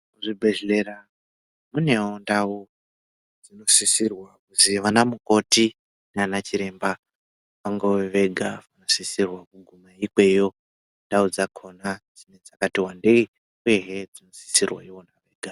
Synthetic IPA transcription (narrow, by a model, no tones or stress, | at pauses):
kuʐibʱeɮe̞ɾa | mune̞ondau | d͡zino̞sisirwakuziʋanamuko̞ti | nanat͡ʃiɾe̞mba | ʋaŋɡoweʋe̞ɡʱaʋano̞sisirwakuɡʱumaikwe̞jo̞ | ndaud͡zakʰo̞nad͡zine̞d͡zakatiwandei | ujeɦed͡zino̞si̥sirwa̰iwo̞naʋe̞ːɡʱa